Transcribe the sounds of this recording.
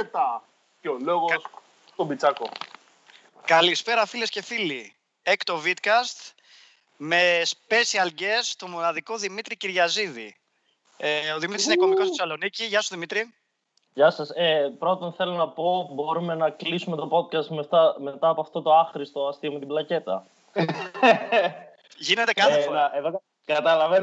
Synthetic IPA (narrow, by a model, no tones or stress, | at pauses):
et̪a | ceoloɣos | t̪obit͡sɐko | kɐlispe̞ɾɐfile̞sce̞fili | ekt̪o̞vit̪kɐst̪ | me̞spe̞siɐlɟe̞st̪o̞mo̞nɐðiko̞ðimit̪ɾiciɾʝɐziðḭ | eoðimit̪ɾisineko̞miko̞st̪e̥sɐlo̞niciʝɐsuoðimit̪ɾi | ʝɐsɐsepɾo̞t̪onθe̞lo̞nɐpo̞bo̞ɾume̞nɐklisume̞t̪o̞po̞t̪̚kɐst̪met̪ɐme̞t̪ɐːpoɐft̪o̞t̪oɐxɾist̪oɐst̪iomet̪iblɐce̞t̪ɐ̰ | ʝine̞t̪ekɐθefoɾeðo | kɐt̪ɐlɐven